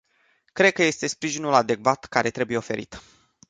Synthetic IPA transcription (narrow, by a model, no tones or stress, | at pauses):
kɾe̞d̪̚kəje̞st̪e̞spɾiʒinulad̪e̞kvat̪kaɾe̞t̪ɾe̞buje̞o̞fe̞̰ɾḭt̪